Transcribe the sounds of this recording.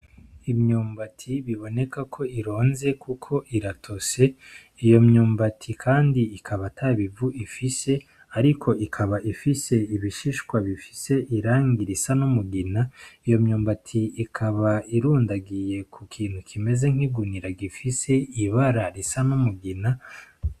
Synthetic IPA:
imɲuːmbatʰiβiβo̞ne̞kakʰo̞iɾo̞ːnze̞kukʰo̞ʔiɾatʰo̞se̞ | ijo̞mɲuːmbatʰikʰaːndiikʰaβatʰaβivuʔifise̞ | aɾikʰo̞ʔikʰaβaʔifise̞iβiʃiʃkwaβifi̥se̞ʔiɾaːŋɡiɾisanomuɡinaijo̞mɲuːmbatʰiikʰaβaiɾuːndaɡije̞kukʰiːn̥hukʰime̞ze̞ŋ̥hiɡuniɾaɡifise̞iβaɾaɾisanomuɡina

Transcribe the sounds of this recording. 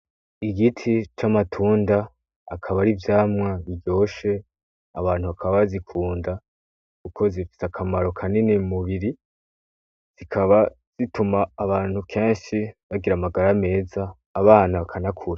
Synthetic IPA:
iɡitʰit͡ʃamatʰuːndaː | kʰaβaɾivjaːmŋaβiɟo̞ːʃe̞ | aβaːn̥huβakʰaββzikʰuːnda | kukʰo̞zifi̥sakʰamaɾo̞kʰaninimuβiɾi | z̥ikʰaβa | z̥itumaːβaːn̥hukʰe̞ːnʃiβaɡiɾamaɡaɾame̞ːzaː | βaːnaβakʰanakʰuɾa

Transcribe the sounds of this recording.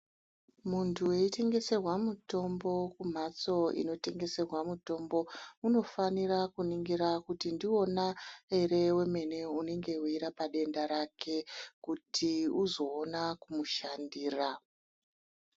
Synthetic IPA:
muntʰue̞ite̞ŋɡe̞se̞rwamuto̞mbo̞kum̤at͡so̞ḭno̞te̞ŋɡe̞se̞rwamuto̞mbo̞uno̞faniɾakuniŋɡiɾakutindio̞nae̞ɾe̞we̞me̞ne̞une̞ŋɡe̞uiɾapaɗe̞ndaɾake̞kutʰiuzo̞ːnakumuʃandiːra

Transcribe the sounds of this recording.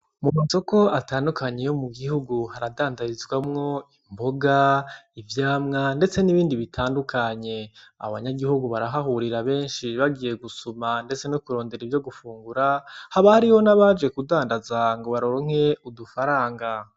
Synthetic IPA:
mumaso̞ko̞ataːndukaɲe̞jomuɡihuɡuhaɾadaːndaɾizɡwamŋo̞imboɡaivjaːmŋande̞t͡se̞niβiːndiβitʰaːndukʰaɲe̞a̰βaɲaɡihuɡuβaɾaɦaɦuɾiɾaβe̞ːnʃiβaɡije̞ɡusumande̞t͡se̞nokuɾo̞ːnde̞ɾivjo̞ɡufuːŋɡuɾahaβahaɾiho̞naβad͡ʒɡe̞kudaːndazaŋɡo̞βaɾoɾoŋ̥e̞udufaɾaːŋɡa

